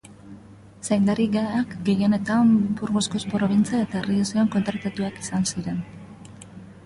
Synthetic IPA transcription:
sajnd̪aɾiɣaakɡe̞jio̞ne̞t̪ambuɾɣo̞sko̞spɾo̞β̞int͡siae̞t̪aeriosioŋko̞nt̪ɾat̪at̪uaki̥sansiɾe̞n

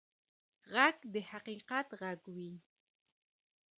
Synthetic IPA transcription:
ʁakd̪eħaqiːqɑt̪ʁaɡwi

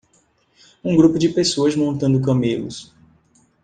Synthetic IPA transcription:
ũɡɾupʊd͡ʒɪpesoɐzmõnt̪ɐ̃nd̪ʊk̬ɐ̃melʊ̰s

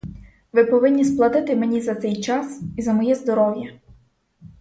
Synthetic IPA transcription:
ʋɪpɔʋɪnʲːisplˠɐd̪ɪt̪ɪmenʲizɐt̪sɛjt͡ʃɑsizɐmɔjɛzd̪ɔɾɔwjɐ

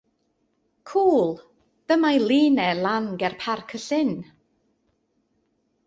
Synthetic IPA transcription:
kʰuːlˠ | ð̥əmajlˠiːnɛlˠanɡɛrpʰarkʰəsɪn

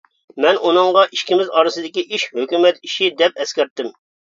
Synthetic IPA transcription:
mɛnʔunɨŋʁɑʔiʃkʲimɪzɑɾɨsɨd̪ɪkʲiʔiʃhøkʲymɛt̪iʃid̪ɛp̚ɛskʲɛɾt̪ːɪm

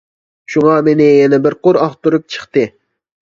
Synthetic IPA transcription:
ʃuŋɑmenɪjɛnɛbɪɾqʊɾɑχt̪uɾup̚t͡ʃʰə̥χt̪ɨ

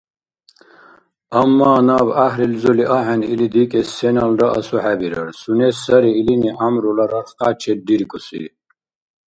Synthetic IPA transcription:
ɐmːaːnaːbaɦɾilzuliʔaɦɛnilid̪ikʼɛsɛnɐldɐʔɐsuħæbiɾɐ̰ɾsunesɐɾiːliniʔamɾulaɾɐɾqaːt͡ʃʰɛd̪iɾkʼusḭ

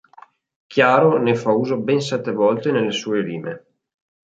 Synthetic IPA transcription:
kʰjaːɾonefauːzobɛns̬ɛt̪ːevɔlt̪enelːesuːeliːme

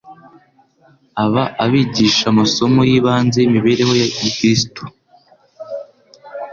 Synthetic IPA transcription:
aβaʔaβiːɟiːʃamaso̞mo̞jiːβaːnzeimiβe̞ːɾe̞ho̞jaikɾisito̥

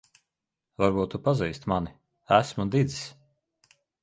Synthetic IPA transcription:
vaɾbuːt̪upaziːst̪mani | æsmud̪id̪zi̥sʲ

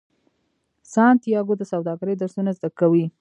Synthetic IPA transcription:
sɑnt̪jɑɡod̪əsawd̪ɑɡɾəjd̪aɾsunazd̪akawi

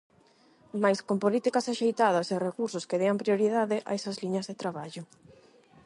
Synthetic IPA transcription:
majskompolit̪ikasaʃejt̪aðɐserekuɾsʊskeðeɐmpɾjoɾiðaðɪʔa̰esɐzliɲɐzðet̪ɾaβaʎʊ

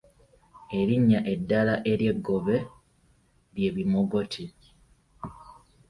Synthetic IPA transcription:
e̞ɾiɲːaʔe̞dːalaʔe̞ɾje̞ɡːo̞βe̞ | ɾje̞ːβimoɡo̞tʰi

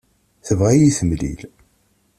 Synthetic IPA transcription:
θəvʁæjiθəmlḭl

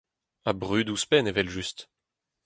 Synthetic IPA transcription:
abʁyːd̪uspɛnevɛlʒyst̪

